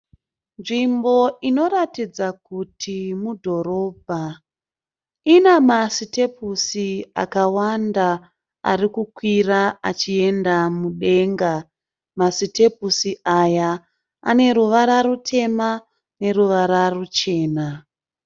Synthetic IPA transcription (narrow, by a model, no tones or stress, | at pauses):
nʐimbo̞ino̞ɾatid͡zak̚utʰimudʱo̞ɾo̞ːbʱa | inamasite̞pusia̰kawanda | a̰ɾikukwiraat͡ʃie̞ndamuɗe̞ːŋɡa | masite̞pusiaja | a̰ne̞ɾuʋaɾaɾutʰe̞ma | ne̞ɾuʋaɾarut͡ʃe̞ːna